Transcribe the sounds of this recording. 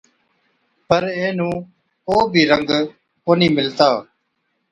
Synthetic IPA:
pəɾẽːnũː | koːbʱiːɾəŋɡ | koːnĩːmɪlt̪aː

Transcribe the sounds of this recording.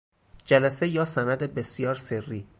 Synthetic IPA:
d͡ʒælæse̞jɒːsænæd̪ebesjɒːɾserːiː

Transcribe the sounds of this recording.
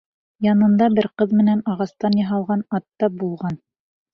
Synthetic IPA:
jɑnɤ̆nd̪ɑbɘɾqɤðmɘ̆nænɑʁɑst̪ɑnjɑɦɑlˠʁɑnɑt̪ːɑbulˠʁɑn

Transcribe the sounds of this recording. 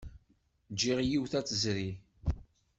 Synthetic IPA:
d͡ʒːiʁjiwθæt͡sːəzɾi

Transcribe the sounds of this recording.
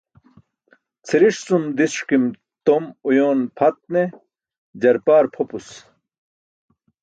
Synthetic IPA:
t͡sʰiɾiʂsumd̪isʂkim | t̪omujoːnpʰɐt̪̚ne | d͡ʑɐɾpaːɾpʰopus

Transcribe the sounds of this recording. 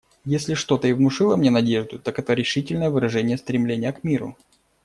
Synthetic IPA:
jesʲlʲɪʂt̪o̞t̪əɪvmʊʂɨlˠəmnʲenɐdʲeʐd̪ʊt̪akɛt̪əɾʲɪʂɨtʲɪlʲnəjəvɨɾɐʐɛnʲɪjəst̪ɾʲɪmlʲenʲɪjəkmʲiɾʊ̰

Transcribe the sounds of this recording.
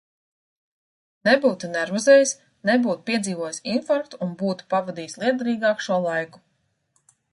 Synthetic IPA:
nebuːt̪unɛɾvɔzɛːjis | nebuːt̪u̥piɛd̪ziːvuɔjsinfaɾkt̪uunbuːt̪u̥pavad̪iːslˠiɛd̪aɾiːɡɑːkʃuɔlˠajku̥

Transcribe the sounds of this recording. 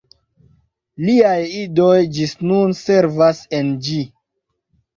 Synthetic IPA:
liajidojd͡ʒisnunse̞ɾvasend͡ʒi

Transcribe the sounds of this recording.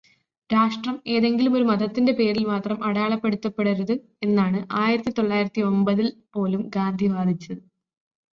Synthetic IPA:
ɾaːʂʈrɐme̞ːðe̞ŋɡilumo̞ɾumɐðɐt̪ːinde̞pe̞ːɾilmaːt̪rɐmɐɽjaːɭɐpːe̞ɽut̪ːɐpːe̞ɽɐɾuðɨ | e̞nːaːɳɨʔaːjiɾɐt̪ːit̪o̞ɭːaːjiɾɐt̪ːio̞mbɐðilpo̞ːlumɡaːnd̪ʱiʋaːd̪ʱit͡ɕːɐðɨ

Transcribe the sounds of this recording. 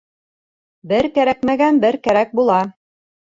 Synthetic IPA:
bɘɾkæɾækmæɡænbɘɾkæɾæk̚bulˠɑ

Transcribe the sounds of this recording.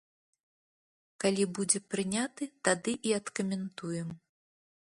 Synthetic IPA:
kalʲibud͡zʲɛpɾɨnʲat̪ɨt̪ad̪ɨʔiɐt̪kɐmʲɛnt̪ujɛm

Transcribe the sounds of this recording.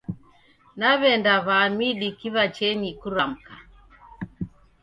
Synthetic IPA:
naβɛndaβamiɗikiβat͡ʃɛɲikuɾam̩ka

